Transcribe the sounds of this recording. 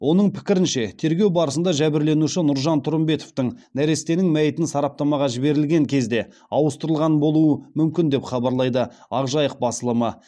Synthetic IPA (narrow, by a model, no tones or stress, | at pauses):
wo̞nəɴpʰɪ̥kʲɪɾɪnʃe̞t̪ʰe̞ɾɡʲe̞wbɑɾəsənd̪ɑʒæbɪɾle̞nuʃɪnʊɾʒɑnt̪ʰʊɾəmbe̞t̪o̞ft̪əɴnæɾe̞st̪e̞nɪŋmæjɪt̪ɪnsɑɾɑp̚t̪ɑmɑʁɑʒɪbe̞ɾɪlɡʲe̞ŋkʲʰe̞zd̪e̞ | ɑwəst̪əɾəlˠʁɑnbo̞lˠuəmʏmkʲɪnd̪e̞pχɑbɑɾlˠɑjd̪ə | ɑʁʒɑjəq̚bɑsəlˠəmə